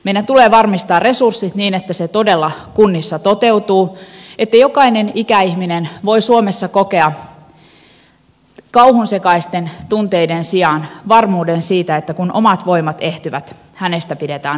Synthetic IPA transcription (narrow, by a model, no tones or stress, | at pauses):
meidænt̪uleːʋɑrmist̪ɑːrre̞sursːit̪niːnet̪ːæset̪o̞de̞lːɑkunːisːɑt̪ot̪e̞wt̪uːet̪ːæjokɑinenikæihminenʋo̞isuomesːɑkoke̞ɑ | kɑuhunsekɑist̪e̞nt̪unt̪e̞jdensiɑnʋɑrmuːdensiːt̪æet̪ːækunʔo̰mɑt̪ʋo̞imɑt̪e̞ht̪yʋæt̪ | hænest̪æpidet̪æːn